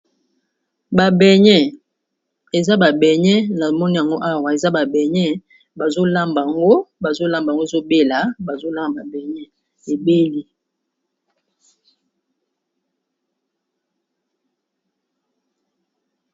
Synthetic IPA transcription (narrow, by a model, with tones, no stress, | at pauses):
ba˨bɛ˨ɲɛ˦ | e˨za˦ba˨bɛ˨ɲɛ˦na˨mɔ˦ni˦ja˨ŋɡo˦ʔa˦˨wa˨e˨za˦ba˨bɛ˨ɲɛ˦ | ba˨zo˦la˦mba˨ŋɡo˦ba˨zo˦la˦mba˨ŋɡo˦e˨zo˦be˦la˨ba˨zo˦la˦ma˨ba˨bɛ˨ɲɛ˦ | e˨be˦li˦